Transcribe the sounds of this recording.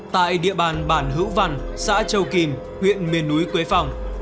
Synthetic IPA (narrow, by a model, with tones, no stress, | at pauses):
t̪a̰ː˧˨jɗḭ˧˨əɓaː˨˩nɓaː˧˩nɦɨ̰˧˥wva˧˩nsa̰ː˧˥t͡ɕə˧˩wki˨˩m | hwḭ˧˨ənmi˨˩ənːu˨˦jkwe˨˦jfa˨˩wŋ͡m